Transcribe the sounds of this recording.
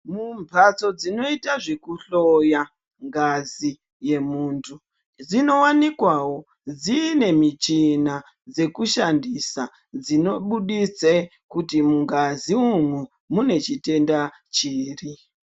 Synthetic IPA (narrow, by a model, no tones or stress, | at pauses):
mumbʱat͡so̞d͡zino̞itaʐekuɬo̞ja | ŋɡazi | je̞muːntʰu | d͡zino̞wanikwawo̞ | d͡ziːne̞mit͡ʃina | d͡ze̞kuʃandisa | d͡zino̞ɓuɗit͡se | kutimuŋɡaziumwu | mune̞t͡ʃite̞nda | t͡ʃiːri